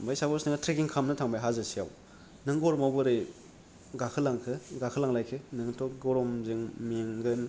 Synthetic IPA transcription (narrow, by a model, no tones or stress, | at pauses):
bajsabɔsnɯŋatʰɾekiŋkʰamnɯtʰaŋbajɦazɯsijaw | nɯŋɡɔɾɔmawbɯɾɯ | ɡakʰɯlaŋkʰɯɡakʰɯlaŋlajkʰɯnɯŋtʰɔɡɔɾɔmzɯŋmiŋɡɯn